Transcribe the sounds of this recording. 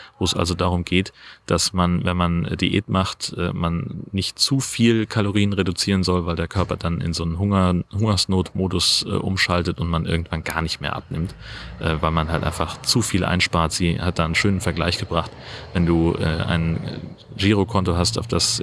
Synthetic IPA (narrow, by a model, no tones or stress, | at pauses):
voːɛsʔa̰lzodaːʁʊmɡeːtd̥asmanvɛnmandiʔḛːtmaχtʔɛ̰ːmanːɪçtt͡suːfiːlkʰaloʁ̞iːənʁedʊt͡siːʁənzɔlvaɪldeːɐkʰœɐpɐdanɪ̰nzoːnənɦʊɐhʊŋɐsnoːtmoːdʊsʔɛ̰ːʔʊ̰mʃaltətʊntmanʔɪ̰ɐɡŋ̩tv̥anɡa̰ːɐnɪçtmeːɐʔa̰pnɪmtʔɛːvaɪlmanɦaltʔa̰ɪnfaχt͡sufiːlʔa̰ɪnʃpaːɐtz̥iːhat̚d̥aːnənʃøːnənfɛɐɡlaɪçɡ̥əbʁaχtvɛnduːʔɛ̰ːʔa̰ɪn | ʒiːʁ̞okʰɔntoɦastaʊfd̥as